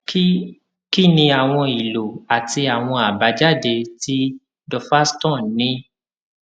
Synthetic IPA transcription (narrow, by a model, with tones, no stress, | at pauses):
k | ki˦nĩ˧a˨w̃ɔ̃˧i˨lo˨a˨ti˧a˨w̃ɔ̃˧a˨ba˨˦d͡ʒa˦˨de˧ti˦ | dɔ˧fa˦stɔ̃˦˨nĩ˨˦